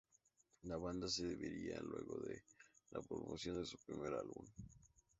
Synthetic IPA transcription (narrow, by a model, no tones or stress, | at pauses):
laβand̪as̬eðeβeɾialwe̞ɣo̞ðelapɾomosjo̞nd̪e̞supɾime̞ɾalβum